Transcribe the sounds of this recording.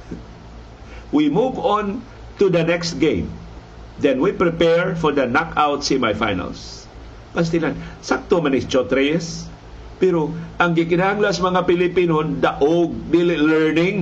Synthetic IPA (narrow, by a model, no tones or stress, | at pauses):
wimuvon | t̪ud̪ɐnɛkst̪̚ɡẽj̃m | d̪ɛ̃nwipɹɪpɛɹfɔɹd̪ɐnakʰawt̪simajfa̰jnɐ̰ls | pɐs̬t̪ɪlansak̚t̪omanɪst͡ʃot̪ɾejɛs | pɛɾoʔɐŋɡɪkɪnahaŋlasmɐŋapɪlɪpinond̪aʔoɡ̚d̪ilɪlɛɹnɪ̃ŋ